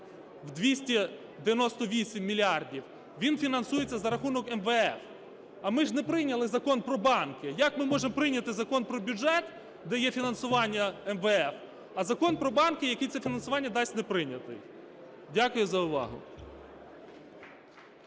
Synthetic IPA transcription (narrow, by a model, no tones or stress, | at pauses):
wd̪ʋʲisʲtʲi | d̪eʋʲjɐnɔst̪ɔʋʲisʲimːʲilʲiɑrdʲiw | ʋʲinfʲinɐnsujet͡sʲːɐzɐɾɐxunɔkɛmʋɛɛf | ɐmɪʒnɛpɾɪjnʲɐlˠɪzɐkɔnpɾɔbɑnkɪjɐkmɪmɔʒempɾɪjnʲɐt̪ɪzɐkɔnpɾɔbʲʊʒɛt̪ | d̪ɛjɛfʲinɐnsʊʋɑnʲːɐɛmʋɛɛf | ɐzɐkɔnpɾɔbɑnkɪjɐkit̪sɛfʲinɐnsʊʋɑnʲːɐd̪ɑsʲtʲnepɾɪnʲɐt̪ɪ̰j | dʲakʊjʊzɐʊʋɑ̰ɦʊ̰